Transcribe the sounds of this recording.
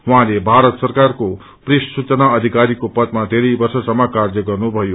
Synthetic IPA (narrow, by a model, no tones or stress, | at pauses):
wuɦãlebʱaɾʌt̪sʌrkarko | prissut͡sʌnaʌd̪ʱikaɾikopʌt̪mad̪ʱeɾʌjbʌrsʌsʌmːʌkard͡zʌɡʌrnubʱʌjo